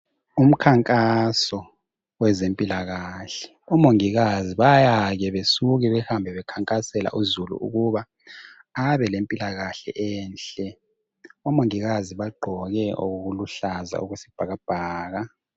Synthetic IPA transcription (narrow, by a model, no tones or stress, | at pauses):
um̩kʰaŋkʼasɔ | wɛzempʼilaɣaɬɛ̥ | ɔmoŋiɣaziβajaɣɛβesuɣiβɛhambʱɛβɛkʰaŋkʼasɛla̰ʔuzulṵʔṵɣuβa | aβɛlempʼilaɣaɬɛʔɛːnɬʼɛ | ɔmoŋiɣaziβaɡ͡ǃʱɔɣɛʔoɣuɣuluɬaza̰ʔuɣusib̥ʱaɣab̥ʱaːɣa